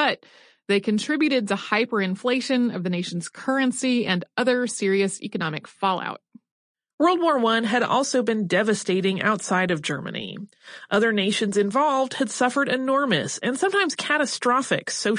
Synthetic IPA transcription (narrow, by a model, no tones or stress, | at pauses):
b̥ʌt̪̚ | ðeɪkɨ̃ntʰɹ̥ɪbjʉɾɨd̚tɨhaɪpə˞ɨ̃ɱfleɪʃɨ̃nʌvðɨneɪʃn̩z̥kʰɜ˞ɨ̃nsiɨ̃nʌðə˞sɪɹiɨsɛ̰kɨnɑmɨkfɑlˠa̰ʊt̚ | wɜ˞lˠd̚wɔɹwʌ̃nɨɾɔ̰lˠsoʊbɨ̃ndɛvɨsteɪɾɪ̃ŋa̰ʊtsaɪɾʌvd͡ʒɜ̰˞mɨ̰nḭ | ʔʌðə˞neɪʃɨ̃nzɨ̃ɱvɑlˠvd̥̚ɨd̥sʌfə˞ɾɨnɔɹmɨ̰sɨ̃nsʌ̃mtʰãɪ̃mz̥kʰæɾɨstɹ̥ɑfɨ̰ksoʊ